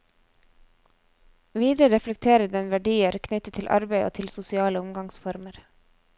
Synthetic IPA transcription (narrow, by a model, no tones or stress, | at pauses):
ʋiːd̪ɾəɾɛflɛk̚t̪ʰeːɾəd̪ɛnʋæɖiːəɾkʰnʏt̪ət̪ʰɪlʔɑ̰ɾbæɪʔo̰ːt̪ʰɪlsʊsɪɑːləʊmɡɑŋsfɔɾməɾ